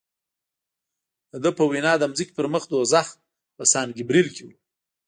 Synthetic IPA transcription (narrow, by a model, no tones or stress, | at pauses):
d̪əd̪əpəwinɑd̪əmziki̥pəɾməxd̪ozax | pəsɑnɡɪbɾilkewu